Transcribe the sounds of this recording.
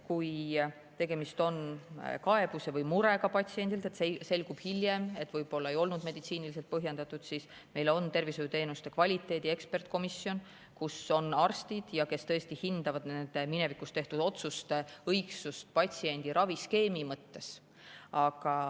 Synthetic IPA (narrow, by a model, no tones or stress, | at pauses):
kuj | t̪e̞ɡe̞mist̪o̞nkɑe̞b̥use̞vɤjmuɾe̞ɡ̥ɑpɑt̪ʲsie̞nʲd̪ilt̪et̪sese̞lɡ̥ub̥hilje̞me̞t̪ːˑvɤjb̥o̞lːɑe̞jo̞lnud̪me̞d̪̥it̪siːnilis̬elt̪̚pɤɦjend̪ɑt̪ːˑud̪̥sis | me̞jlo̞nt̪e̞rvisojut̪e̞ːnust̪e̞kvɑlʲit̪ˑːe̞ːd̪ie̞kspe̞rt̪ko̞misːjo̞n | kuso̞nɑrst̪id̪̥jɑke̞st̪ɤ̞est̪ihind̪̥ɑvɑd̪nend̪̥emine̞vikːˑust̪e̞ht̪ud̪̥o̞t̪sust̪eɤjksust̪̚pɑt̪ʲsie̞nʲd̪̥iɾɑviske̞ːmimɤt̪ːe̞s | ɑɡ̥ɑ